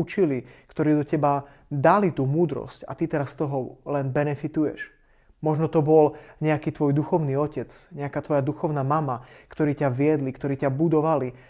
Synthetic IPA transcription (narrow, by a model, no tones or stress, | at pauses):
ut͡ʃilikt̪ɔɾiːd̪ɔcɛba | d̪alit̪uːmuːd̪ɾɔ̰sca̰t̪it̪ɛɾast̪ɔɦɔlɛnbɛnɛfit̪ujɛ̰ʃ | mɔʒnɔt̪ɔbɔlɲɛakiːt̪ʋɔjd̪uxɔʊniːɔcɛt͡sɲɛakaːt̪ʋɔjad̪uxɔʊnaːmamakt̪ɔɾiːcaʋɪɛd̪likt̪ɔɾiːcabud̪ɔʋali